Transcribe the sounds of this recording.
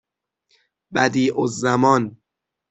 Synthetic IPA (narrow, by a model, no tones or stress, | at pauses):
bæd̪iːʔozːæmɒːn